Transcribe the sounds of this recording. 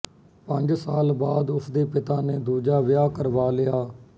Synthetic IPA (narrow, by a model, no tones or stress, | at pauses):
pəɲd͡ʒsaːlbaːd̪ʊsʰd̪eːpɪt̪aːneːd̪uːd͡ʒaːʋɪjaːkəɾʋaːlɪjaː